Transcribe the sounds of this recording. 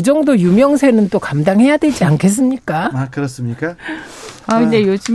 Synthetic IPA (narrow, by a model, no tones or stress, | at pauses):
ɯd͡ʑʌŋdojumjʌŋsʰe̞nɯnt͈okamdaŋɦhe̞jadwe̞d͡ʑiankʰe̞s̬͈ɯmɲik͈aakɯɾʌs͈ɯmɲik͈a | aid͡ʑejoɕʰi